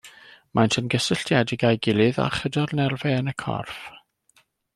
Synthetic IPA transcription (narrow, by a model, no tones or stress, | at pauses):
majntʰənɡəsəɬtjadɪɡajɡɪlˠɨða̰χədɔrnɛrvɛənəkʰɔ̰rf